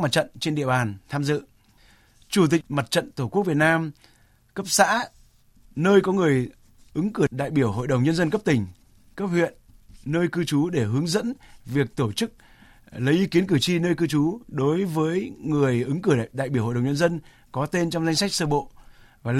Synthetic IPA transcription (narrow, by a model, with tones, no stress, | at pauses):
ma˨˩t̚t͡ɕə̰˧˨nt͡ɕe˧nɗḭ˧˨əɓaː˨˩nt̪ʰaː˧mzɨ̰˧˨ | t͡ɕu˧˩t̪ï˨˩k̚ma˨˩t̚t͡ɕə̰˧˨nt̪o˧˩ku˦˥k̚vi˨˩t̚naː˧m | kə˦˥p̚sa̰ː˧˥ | nəː˧jkɔ˨˦ŋɨ˨˩əj | ʔɨ˨˦ŋkɨ˧˩əɗa̰ː˧˨jɓi˧˩əwɦo̰˧˨jɗə˨˩wŋ͡mɲə˧nzə˧nkə˦˥p̚t̪ï˨˩ŋ̟ | kə˦˥p̚hwḭ˧˨ənːəː˧jkɨ˧t͡ɕu˨˦ɗe˧˩ɦɨ˨˦əŋzə̰˧˥nvi˨˩ək̚t̪o˧˩t͡ɕɨ˦˥k̚ | lə˨˦jʔi˨˦ki˨˦ənkɨ˧˩t͡ɕi˧nəː˧jkɨ˧t͡ɕu˨˦ɗo˨˦jvəː˨˦jŋɨ˨˩əjʔɨ˨˦ŋkɨ˧˩ɗa̰ː˧˨jɓi˧˩ho̰˧˨˩wɲə˧nzə˧n | kɔ˨˦t̪e˧nt͡ɕɔ˧wŋ͡mza˧jŋsa˦˥k̚səː˧ɓo̰˧˨vaː˨˩